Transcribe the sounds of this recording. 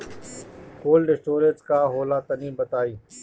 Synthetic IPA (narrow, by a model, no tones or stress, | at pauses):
koːlɖɪsʈoːɾezkaːɦoːlaːt̪ənĩːbət̪aːiː